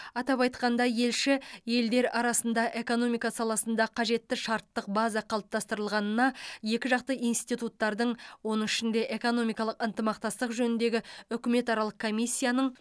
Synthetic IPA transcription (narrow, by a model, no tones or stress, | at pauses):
ɑt̪ɑpɑjt̪qɑnd̪ɑje̞lʃɪje̞ld̪e̞ɾɑɾɑsənd̪ɑʔe̞ko̞no̞mijkɑsɑlˠɑsənd̪ɑqʰɑʒe̞t̪ːɪʃɑɾt̪ːəq̚bazɑqʰɑlˠəp̚t̪ɑst̪əɾəlˠʁɑnənɑje̞kʲɪʒɑqt̪əijnst̪it̪ut̪ːɑɾd̪əɴwo̞nəɴɪʃɪnd̪e̞ʔe̞ko̞no̞mijkɑlˠəqənt̪əmɑqt̪ɑst̪əqʒɵnɪnd̪e̞ɡʲɪʏkʲɪme̞t̪ɑɾɑlˠəqkʰo̞mʲijsʲːijanəɴ